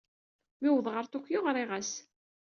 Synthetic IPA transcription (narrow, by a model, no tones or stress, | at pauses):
miwðˤʁəɾt̪ʊkʷːjoʁɾˤɪʁæs